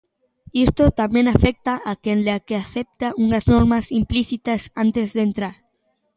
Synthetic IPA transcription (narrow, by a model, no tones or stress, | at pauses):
ist̪ot̪amẽnafek̚t̪aʔakenleakeaθep̚t̪aʔuŋaznoɾmasimpliθit̪asant̪ezðent̪ɾaɾ